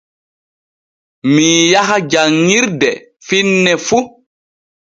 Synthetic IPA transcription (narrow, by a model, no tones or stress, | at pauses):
mijaɦad͡ʒaŋːiɾdɛ | finːɛfu